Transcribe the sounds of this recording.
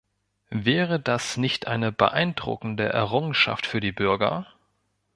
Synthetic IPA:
vɛːʁ̞ədasnɪçtʔa̰ɪnəbə̰ʔaɪndʁʊ̰kn̩dəʔɛ̰ɐʁ̞ʊŋənʃa̰ftfyːɐdiːbʏɐɡɐ̰

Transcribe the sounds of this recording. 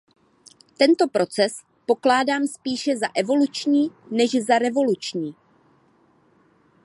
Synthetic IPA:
t̪ɛnt̪o̞pɾo̞t͡sɛs | po̞klaːdaːmspiːʃɛzaʔɛvo̞lut͡ʃɲiːnɛʒzaɾɛvo̞lut͡ʃɲiː

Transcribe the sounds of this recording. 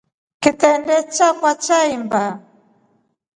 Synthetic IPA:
kit̪ɛndɛt͡ʃakwat͡ʃaimba

